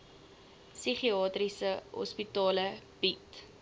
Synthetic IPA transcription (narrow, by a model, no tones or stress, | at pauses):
siχiɑːtrisəɦɔ̰spitɑːləb̥it